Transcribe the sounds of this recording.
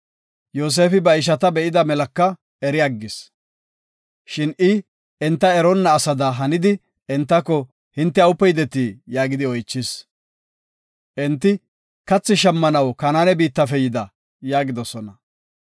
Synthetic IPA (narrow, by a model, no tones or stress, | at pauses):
joːs̬e̞ːfɪbɐɪʃ̬ɐt̪ɐbɛʔɪd̪ɐmɛlɐkːɐ | ɛɾɪɐɡːɪs | ʃɪnʔɪ | ɛnt̪ːɐɛɾɔnːɐːsɐd̪ɐɦɐnɪd̪ɪ | ɛnt̪ːɐkːɔ | hɪnt̪ːɛɐʊpːɛjd̪ɛt̪ːiːjaːɡɪd̪ɪɔjt͡ʃːɪs | ʔɛnt̪ːɪ | kɐt͡sːɪʃɐmːɐnɐwkɐnaːnɛbiːt̪ːɐfɛjɪd̪ɐ | jaːɡɪd̪ɔsɔnɐ